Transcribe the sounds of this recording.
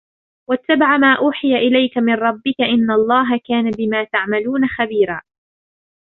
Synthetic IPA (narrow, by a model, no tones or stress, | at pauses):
wat̪ːabaʕamaːʔuːħɪjaʔɪlajkamɪnˤɾˤɑbːɪkaʔɪnːalˤːɑːɦakaːnabɪmaːt̪aʕmaluːnaxabiːɾaː